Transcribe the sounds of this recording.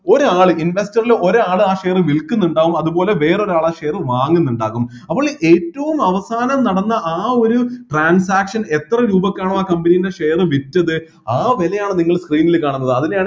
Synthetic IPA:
o̞ɾaːɭɨʔinʋestɐrilo̞ɾeaːɭɨaːʂe̞jɐrɨʋilkːunːuɳɖaːɣumɐðubo̞ːle̞ʋe̞ːro̞ɾuaːɭaʂe̞jɐrɨʋaːŋːunːuɳɖaːɣum | ɐpːoːɭʔe̞ːtːɐʋumɐʋɐsaːnɐmnɐɽɐnːɐʔaːo̞ɾuʈraːnsaːkʂɐne̞t̪rɐɾuːbɐkːaːɳɐmaːkɐmbɐnijinde̞ʂe̞jɐrɨʋitːɐðɨ | aːʋelɐjaːɳɨniŋːɐɭskriːnːilkaːɳunːɐðɨɐðineaːɳ

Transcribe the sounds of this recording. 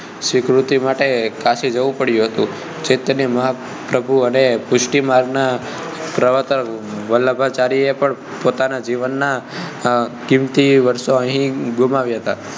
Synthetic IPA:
sɪkɾut̪imaʈekasid͡ʒəʋũpəɽjũɦət̪ũ | d͡ʒet̪əneməɦa | pɾəbʱuənepʊʃʈimaɾɡna | pɾəʋət̪əʋələbʱat͡ʃaɾiepəɳ | pot̪anad͡ʒiʋənːa | kimt̪iʋəɾʃoəɦĩɡumaʋjaɦət̪a̰

